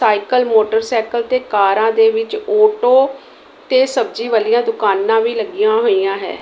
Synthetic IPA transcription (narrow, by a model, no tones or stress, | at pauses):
saːɪkəlmoːʈəɾsɛːkəlt̪eːkaːɾãːd̪eːʋɪt͡ʃoːʈoː | t̪eːsəb̚d͡ʒiːʋəlijãːd̪ʊkaːnːãːʋiːləɡɪjãːɦoːijãːɦɛ̰ː